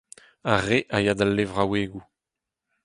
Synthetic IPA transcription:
aʁeʔajad̪alːevʁaweːɡu

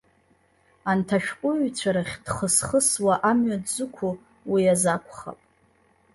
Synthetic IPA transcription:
antʰaʃᶣqʷʼʊɥt͡ɕʷʰaɾaχʲd̥χəsχəswaʔamɥadzʷɨkʷʰu | wiazakʷʰʼχa̰pʼ

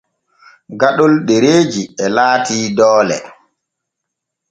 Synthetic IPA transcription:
ɡaɗɔlɗeɾeːd͡ʒiɛlaːtiːdɔːlɛ̰

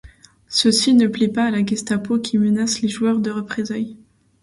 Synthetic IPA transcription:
səsinəplɛpaːlaɡʲɛst̪apokʲʰimənasleʒuœʁd̪əʁəpχezaj

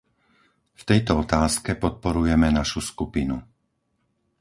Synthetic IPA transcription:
ft̪ɛjt̪ɔɔt̪aːskɛpɔt̪̚pɔɾujɛmɛnaʃuskupinṵ

